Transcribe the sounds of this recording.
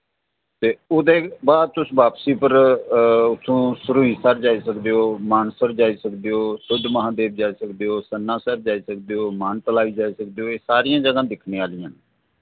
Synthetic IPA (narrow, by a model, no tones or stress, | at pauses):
t̪eːoːd̪eːbaːd̪̚t̪ʊsbaːpsiːpəɾ | ʊsʰõːsʊɾũːĩːsəɾd͡ʒaːiːsəkd̪eːoːmaːnsəɾd͡ʒaːiːsəkd̪eːoːsʊd̪ʱməɦãːd̪eːb̚d͡ʒaːisəkd̪eːoːsənːãːsəɾd͡ʒaːiːsəkd̪eːoːmaːnʈəlaːiːd͡ʒaːisək̚d̪eːɦoːeːsaːɾijãːd͡ʒəɡãːd̪ɪkʰneːaːlɪjãː